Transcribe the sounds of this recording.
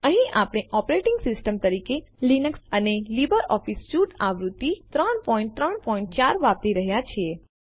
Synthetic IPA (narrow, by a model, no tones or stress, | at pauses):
əɦĩʔapɽ̃eʔɔpɾeʈɪ̃ŋɡsɪsʈəmt̪əɾike | linəksənelibəɾɔfisʃuʈaʋɾut̪ːit̪ɾəɳpɔĩɳʈt̪ɾəɳpɔĩɳʈ̚t͡ʃaɾʋap̚ɾiɾəɦjat͡ʃʰe